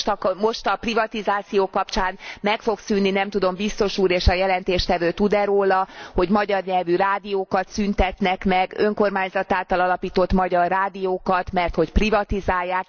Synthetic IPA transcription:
t̪mo̞ʃt̪ɒprivɒt̪izaːt̪sijoːkɒpt͡ʃaːnmɛkfo̞ksynːinɛmt̪ud̪o̞mbist̪o̞ʃuːɾeːʃɒjɛlɛnt̪eːʃt̪ɛvøːt̪ud̪ɛɾoːlɒho̞ɟmɒɟɒrɲɛlvyɾaːd̪ijoːkɒt̪synt̪ɛt̪nɛkmɛɡø̞ŋko̞rmaːɲzɒt̪aːlt̪ɒlɒlɒpiːt̪o̞t̪mɒɟɒrːaːd̪ijoːkɒt̪mɛrt̪ho̞cprivɒt̪izaːjːaːk

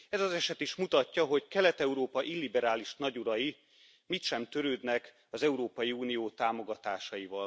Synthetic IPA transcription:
ɛzɒzɛʃɛt̪iʃmut̪ɒcːɒɦo̞ɟkɛlɛt̪ɛuɾoːpɒʔilːibɛɾaːliʃnɒɟuɾɒji | mit̪ʃɛmt̪øɾøːd̪nɛk | ɒzɛuɾoːpɒjiuːnijoːt̪aːmo̞ɡɒt̪aːʃɒjivɒl

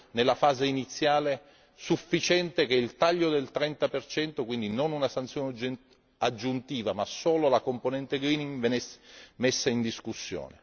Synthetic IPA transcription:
nelːafaːzeinit̪sːjaːle | sufːit͡ʃɛnt̪ek̟eilt̪aʎːod̪elt̪ɾɛnt̪apert͡ʃɛnt̪okwind̪inonunasant̪sjon | ad͡ʒːunt̪iːvamasoːlolakomponɛnt̪eɡɾiːniŋvenesmesːaind̪iskusːjo̰ːne

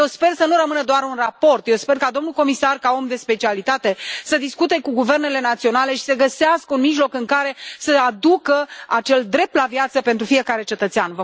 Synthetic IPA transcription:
jewspe̞rsənuɾəmɨnəd̪oarunrapo̞rt̪jewspe̞rkad̪o̞mnulko̞misarkao̞md̪e̞spe̞t͡ʃialit̪at̪e̞səd̪iskut̪e̞kuɡuve̞rne̞le̞nat̪sio̞nale̞ʃi̥səɡəseaskəunmiʒlo̞kɨŋkaɾe̞səad̪ukəat͡ʃe̞ld̪ɾe̞p̚t̪lavijat̪səpe̞nt̪ɾufije̞kaɾe̞t͡ʃe̞t̪ət̪seanvə

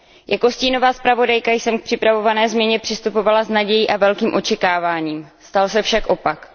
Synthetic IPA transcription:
jʔako̞sciːno̞vaːspɾavo̞dajkajsɛmk̚pr̥ɪpɾavo̞vanɛːzmɲɛɲɛpr̝̥ɪst̪upo̞valaznaɟɛjiːʔavɛlkiːmʔo̞t͡ʃɛkaːvaːɲiːmst̪alsɛfʃakʔo̞pak

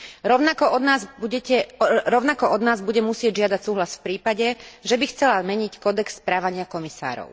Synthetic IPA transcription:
ɾɔʊnakɔɔd̪naːzbuɟɛcɛɾɔʊnakɔʔɔd̪naːzbuɟɛmusɪɛɟʒɪad̪acsuːɦlasfpɾiːpaɟɛʒɛbixt͡sɛlazmɛɲickɔd̪ɛksːpɾaːʋaɲɪakɔmisa̰ːɾɔ̰ʊ

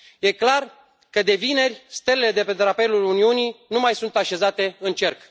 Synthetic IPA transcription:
je̞klar | kəd̪e̞vine̞rʲst̪e̞lele̞d̪e̞pe̞t̪ɾape̞luluniunijnumajsunt̪aʃe̞zat̪e̞ɨnt͡ʃe̞rk

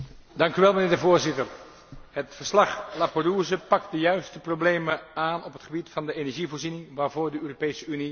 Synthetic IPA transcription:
dɑŋkyʋɛlˠmənɪːɹdəvoːɹzɪtər | ɦətfəɹslɑχlapəruzəpɑk̚t̚dəjœɥstəprowblejməaːnɔpɦətχəbitfɑndəenɛɹʒivoːɹzinɪŋʋaːɹvʊːɹdəøːropejsəyni

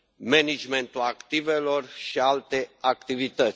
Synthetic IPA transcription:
menid͡ʒment̪ulakt̪ive̞lo̞rʃialt̪e̞akt̪ivit̪ət̪ʲ

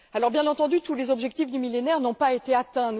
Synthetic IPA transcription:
alɔʁbjɛ̃nɑ̃t̪ɑ̃d̪yt̪ulezɔbʒɛk̚t̪ifd̪ymilenɛʁnɔ̃paet̪eat̪ɛ̃

